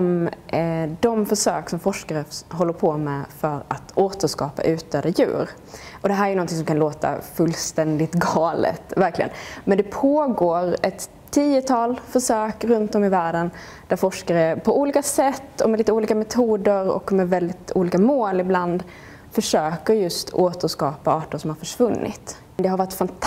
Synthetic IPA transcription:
m | d̪ɔmfœʂøːksɔmfɔʂkaɾəɦɔlːəɾpʰɔmɛfœɾa̰t̪oːt̪əʂkɑːpa̰ʔʉ̟ːt̪œːd̪ajʉ̟̰ːɾ | ʔɔd̪ɛɦæɾæɾjɵnɔnt̪ɪŋsɔmkanloːt̪a̰fɵlːst̪ɛnd̪ɪt̪ɡɑːlə̰t̪væɾklɪɡə̰nmɛnd̪ɛpʰoːɡoːɾɛt̪ʰːiːɛt̪ʰɑːlfœʂøːkɾɵnt̪ɔmɪvæːɖən | d̪̥æɾfɔʂkaɾəpʰɔuːliːkasɛt̪ːɔmɛliːt̪əuːliːkamɛt̪ʰuːd̪əɾɔ̰kmɛvɛld̪ɪt̪ṵːliːkamoːlɪbland̪ | fœʂøːkəɾjɵst̪oːt̪əʂkɑːpaɑːʈəʂɔmhaɾfœʂvɵnːʔɪ̰t̪ | d̪ɛhaɾvɑɾɪʈːfant̪ʰ

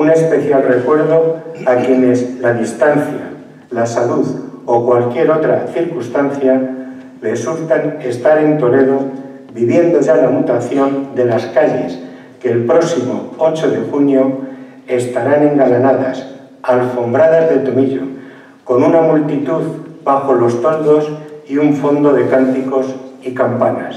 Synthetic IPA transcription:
une̞spe̞θjalre̞kwe̞ɾðo̞akje̞ne̞slaðist̪anθja̰ | lasaluðo̞kwalkje̞ɾo̞t̪ɾa̰θiɾkust̪anθja | result̪ane̞st̪aɾe̞nt̪o̞le̞ðo̞ | biβje̞nd̪o̞ʝalamut̪aθjo̞nd̪e̞laskaʎe̞̰s | ke̞ːlpɾo̞simo̞̰o̞t͡ʃo̞ðe̞xunjo̞ | e̞st̪aɾanẽ̞ŋɡalanaðas | alfo̞mbɾað̞azðe̞lt̪o̞miʎo̞̰ | ko̞nunamult̪it̪uðbaxo̞lo̞st̪o̞ld̪o̞siuɱfo̞nd̪o̞ðe̞kant̪iko̞sikampana̰s

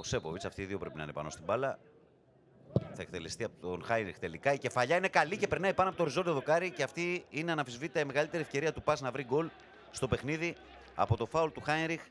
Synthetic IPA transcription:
ose̞povisɐft̪iːðio̞pɾe̞pinɐ̰inepɐ̰no̞st̪ibɐlɐ | θɐekt̪e̞lest̪iɐpot̪onxɐjnɾixt̪e̞likɐice̞fɐʎɐine̞kɐlice̞pe̞ɾnɐipɐnoɐpot̪oɾizo̞nd̪ioðo̞kɐɾiceɐft̪iineɐnɐfizvit̪t̪ɐime̞ɣɐlit̪e̞ɾiefce̞ɾiɐt̪upɐznɐvɾiɡo̞l | st̪ope̞xniði | ɐ̰po̞t̪o̞fɐolt̪uxɐjnɾix

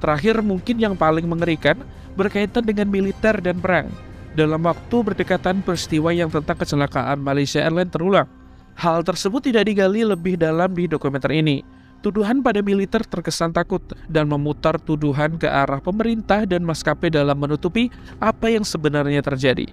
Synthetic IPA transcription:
t̪əɾaɦɪrmuŋkɪnjaŋpalɪŋməŋəɾikan | bərkait̪andəŋanmilit̪ɛrdanpəɾa̰ŋdalamwak̚t̪ubərdəkat̪anpɾist̪iwajaŋt̪ənt̪aŋkət͡ʃəlaka̰ʔanmalajsiaʔɛrlɛnt̪əɾulaŋ | halt̪ərsəbʊt̪ːidaʔdiɡaliləbɪhdalamdidokumɛnt̪ərini | t̪uduɦanpadamilit̪ɛrt̪ərkəsant̪akʊt̪̚danməmut̪art̪uduɦankəʔaɾahpəməɾint̪ahdanmaskapɛdalamːənut̪upi | ʔapajaŋsəbənarɲat̪ərd͡ʒadḭ

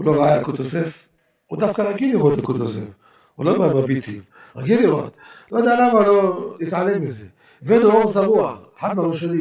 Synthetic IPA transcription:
uloʁajakot̪osef | ud̪afkaʁaɡiliʁot̪akut̪osḛf | ulobababiti | ʁa̰ɡiliɣo̰t̪lod̪alamaloit̪ʕalemmize | venooʁsamuaeħad̪maʁoʃani

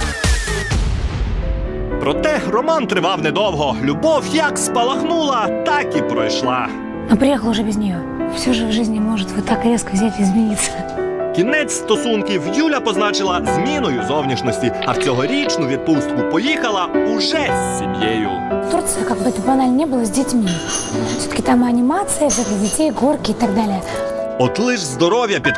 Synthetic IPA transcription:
pɾɔt̪ɛrɔmɑnt̪ɾɪʋɑwnɛd̪ɔwɦɔlʲubɔwjɐkspɐlˠɐxnulˠɐt̪ɑkipɾɔjʃlˠɑ | nɔpɾʲɪjɛxəlˠʊʒʐɛbʲɪzʲnʲijɔ | fsʲuʐɛwʐɪzʲnʲimɔʐɪt̪ʲʋɔt̪akɾʲɛskɔʋzʲatʲizʲmʲinʲit̪sʲɐ | kʲinɛt͡sʲst̪ɔsunkʲiwjulʲɐpɔznɑt͡ʃɪlˠɐzʲmʲinɔjʊzɔwnʲiʃnɔsʲtʲiɐwt͡sʲɔɦɔɾʲit͡ʃnʊʋʲid̪̚pust̪̚kʊpɔjixɐlˠɐʊʒɛsʲːimjejʊ̰ | t̪urt̪sɨjɐkaɡ̚bɨɛt̪ʊbɐnalʲnʲiɛbɨlˠəzʲdʲɪtʲmʲi | fsʲot̪ə̥kʲɪt̪amɨɐnʲɪmat̪sɨjɐzɛd̪ɪɣdʲɪtʲejɡorkʲɪɪt̪aɡd̪alʲɪjə | ɔt̪lˠɪʒzd̪ɔɾɔwʲjɐpʲid̪

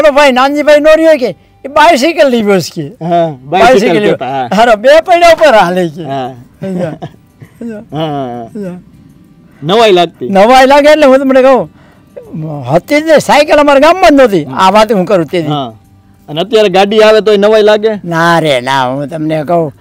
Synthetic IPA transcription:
ənobʱainãnd͡ʒibʱainoɾjojke | ebais̬ikəlːiʋəskeɦabas̬ikəliaɾobepəiɽaupəɾalekead͡ʒa | d͡ʒaɦaɦa | nəʋailaɡ̚t̪inəʋailaɡeʈleɦũt̪̬əmnekəɦũ | ɦət̪ːit̪nisajkələmaɾiɡamːãnd̪ot̪ia̰ʋat̪ɦũkəɾut̪ːed̪i | ənət̪jaɾeɡaɖiaʋet̪̬oinəʋailaɡenaɾena̰ɦũt̪əmnekəɦũ

